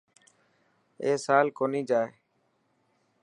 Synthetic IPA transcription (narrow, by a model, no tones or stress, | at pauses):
eːsaːlkoːniːd͡ʒaːe